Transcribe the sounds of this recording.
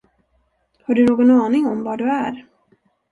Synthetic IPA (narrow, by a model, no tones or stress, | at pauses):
haɖɵnoːɡɔnɑːnɪŋɔmvaɖɵæɾ